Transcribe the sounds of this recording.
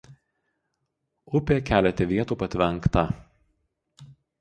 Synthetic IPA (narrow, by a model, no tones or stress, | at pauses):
ʊpʲeːkʲæːlʲɛt̪ʲɛʋʲiɛt̪uːpɐt̪ʲʋʲɛŋˑkt̪ɐ